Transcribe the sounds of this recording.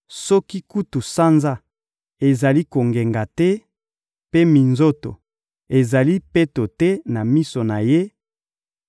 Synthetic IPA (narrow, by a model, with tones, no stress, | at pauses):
sɔ˦ki˦ku˦tu˨sa˦nza˦ | e˨za˨li˦ko˨ŋɡe˨ŋɡa˨tɛ˦ | pe˦mi˨nzo˦to̰˨ | e˨za˨li˦pe˦to˨tɛ˦na˨mi˦so˨na˨je˦